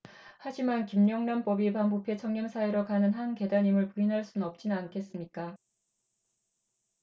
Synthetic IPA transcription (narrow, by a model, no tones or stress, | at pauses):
had͡ʑimankimɲʌŋnamp͈ʌbipanpupʰet͡ɕʰʌŋɲʌmsʰaeɾokanɯnɦanke̞daɲimɯɭpuinɦaɭs͈unnʌp̚t͡ɕ͈inɯnankʰe̞s͈ɯmɲik͈a